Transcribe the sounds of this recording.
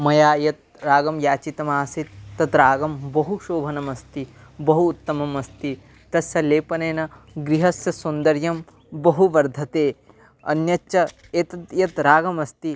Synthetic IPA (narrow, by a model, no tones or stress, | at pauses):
mɐjaːjɐt̪̚ | ɾaːɡɐmjaːt͡ʃit̪ɐmaːsit̪ːɐt̪ɾaːɡɐmbɐɦuʃoːbʱɐnɐmɐst̪ibɐɦuːt̪ːɐmɐmɐst̪i | t̪ɐsjɐleːpɐneːnɐɡɾiɦɐsjɐsund̪ɐɾjɐm | bɐɦuʋɐɾd̪ʱɐt̪eː | ɐ̰njɐt͡ʃɐ | eːt̪ɐt̪jɐt̪ɾaːɡɐmɐst̪i